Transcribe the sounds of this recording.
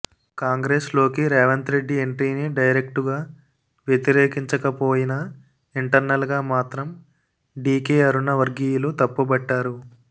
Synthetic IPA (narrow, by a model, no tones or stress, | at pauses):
kaːŋɡɾeːslo̞ːkiɾɛːʋɐnt̪ɾe̞ɖːie̞ɳʈiːniɖɐjɾe̞kʈuɡaː | ʋjet̪iɾeːkiɲt͡ʃɐkɐpo̞ːjinɐ | iɳʈɐɾnɐlɡaːmaːt̪ɾɐm | ɖiːkeːɐɾunɐʋɐɾɡijulut̪ɐpːubɐʈːaːɾu